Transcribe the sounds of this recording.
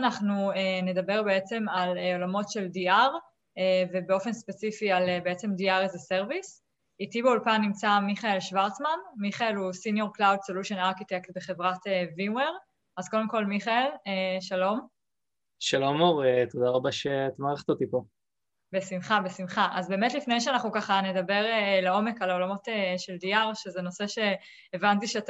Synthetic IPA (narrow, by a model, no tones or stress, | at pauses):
anaχnuene̞dɐbe̞ʁbeet͡se̞malolamo̞tʃe̞ldiaʁ | eve̞beo̞fenspet͡sifialebeet͡se̞mdiaʁzese̞ʁvis | itibeulpanːimt͡samiχae̞lʃvaʁtt͡smanmiχae̞lusinjo̞ʁklawdsoluʃonaʁkit̪ektbeχe̞vʁateviweʁ | azko̞d̪e̞mko̞lmiχaelʃalo̞m | ʃalomoʁet̪od̪aʁabaʃet̪maːʁeχtot̪ipo | besimχabesimχaʔazbe̞ːme̞tlifne̞jʃ̬eanaχnukaχane̞dabe̞ʁeleo̞me̞kalaolamo̞teʃe̞ldiaʁʃezeno̞se̞ʃe̞ː | vantiʃeat